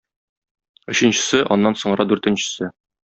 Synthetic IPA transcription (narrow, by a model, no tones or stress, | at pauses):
ɵ̆ɕɘ̆nɕɘ̥̆sɘʔɒnːɑnsŏɴɤ̆ɾɑd̪ʉɾt̪ɘ̆nɕɘ̥̆sɘ